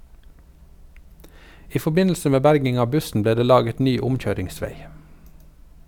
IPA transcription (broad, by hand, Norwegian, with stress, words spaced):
ˈiː fɔˈbɪnl̩sə ˈmeː ˈbæɾɡɪŋ ˈɑː ˈbʉsn̩ ˈbleː ˈdeː ˈlɑːɡət ˈnyː ˈʊmˌc͡çøːɾɪŋˌsʋeɪ